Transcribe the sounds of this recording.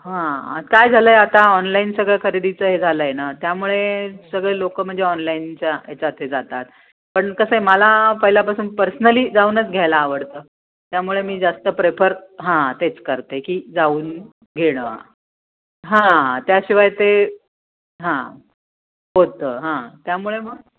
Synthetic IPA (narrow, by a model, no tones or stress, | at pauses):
ɦãkajd͡zʱaləːeat̪aɔnlainsəɡɭakʰəɾid̪it͡səːɦed͡zʱaləjenat̪jamuɭesəɡɭelokəm̤əɳd͡zeɔnlaiːnt͡ɕaḛt͡sat̪ʰed͡zat̪at̪̚ | pəɳkəsəɦeməlapəɦiljapasuːnpəɾsənəliːd͡zauːnət͡sɡʱjajlaːʋəɽt̪əː | t̪jamuɭemiːd͡zast̪əpɾepʰəɾɦãt̪et͡skəɾt̪ekiːd͡zauːn | ɡʱeɽ̃ə | ɦãt̪jaɕiʋajt̪e | ɦã | ɦot̪əːɦãt̪jamuɭemə